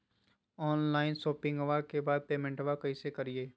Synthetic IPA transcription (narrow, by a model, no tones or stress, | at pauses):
ɔːnlaːɪnsoːpɪ̃ŋɡʋakebaːd̪̚peːmɛ̃ɳʈʋakɐisekɐɾieː